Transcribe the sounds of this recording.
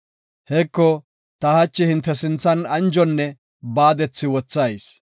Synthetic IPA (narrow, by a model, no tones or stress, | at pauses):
hɛkːɔ | t̪ɐhɐt͡ʃːɪhɪnt̪ːɛsɪnt͡sːɐnɐnd͡ʒɔnːɛ | baːd̪ɛt͡sːɪwɔt͡sːɐjs